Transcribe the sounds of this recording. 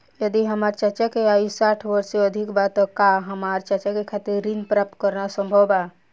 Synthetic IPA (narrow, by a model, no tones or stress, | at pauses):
jəd̪iɦəmaːɾt͡ʃət͡ʃakeaːisaːʈʰʋəɾseəd̪ʱikbat̪ːɔkaɦəmaːɾt͡ʃət͡ʃakekʰaːt̪iɾːinpɾap̚t̪kəɾnasə̃mbʱəbaː